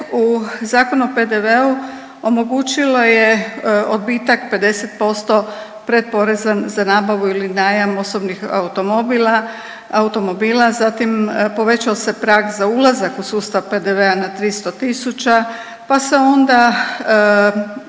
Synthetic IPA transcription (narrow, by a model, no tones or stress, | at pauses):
uzaːko̞nuope̞d̪eʋeu | o̞mo̞ɡuːt͡ʃilojeod̪̚biːt̪akpe̞d̪e̞set̪̚po̞st̪o̞ | pɾe̞d̪̚po̞ɾe̞zanzanaːbaʋuilinaːjamo̞sobnixa̰ut̪o̞mobila | aut̪o̞mo̞biːlazat̪impo̞ʋe̞t͡ɕaose̞pɾaːɡzaulazakusuːst̪aʋpe̞d̪eʋe̞anat̪ɾist̪o̞t̪isut͡ʃa | pase̞o̞nd̪a